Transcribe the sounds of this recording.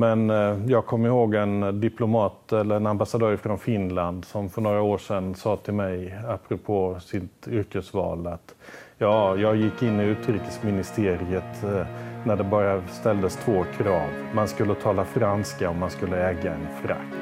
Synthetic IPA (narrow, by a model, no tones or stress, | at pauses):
mɛnjɑːɡ̚kʰɔmːəɾɪhoːɡɛnd̪ɪpʰlʊmɑːt̪ɛlːəɾɛnambasad̪œːɾfɾɔnfɪnland̪sɔmfœɳoːɾaoːʂɛnsɑːt̪ʰɪlmɛjapʰːɾʊpʰoːsɪt̪ʏɾkəsvɑ̰ːlat̪jɑːjɑːɡjɪkːɪnːɪʉ̟ːt̪ɾiːkəsmɪnɪst̪ʰeːɾɪət̪næɖɛbɑːɾast̪ɛld̪əst̪ʰvoːkʰɾɑ̰ːv | manskɵlːət̪ʰɑːlafɾanskaɔmːanskɵlːəɛːɡaɛnfɾa̰kt̪